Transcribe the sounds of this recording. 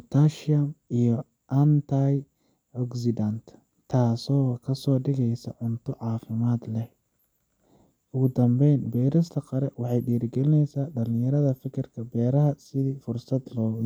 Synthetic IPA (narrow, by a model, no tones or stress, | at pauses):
t̪ʰaʃamijɔ | ʔɐnt̪ʰaj | ɔɡsɪd̪ant̪ʰ | t̪ʰaːsɔːkʰɐsɔːɖɪɣɛjsɐ̰ʕʊnt̪ʰɔʕɑːfɪmaːd̪lɛ | ʊɣʊd̪ɐmbɛjnbɛːɾɪst̪ʰɐqɐɾɛwɑħɑjɖiːɾɪɡɛlɪnɛjsaːɖɐlɪ̃jɐɾɐðɐfɪkʰɪrkʰɐbɛːɾɐɦɐsɪðiːfʊrsɐd̪lɔː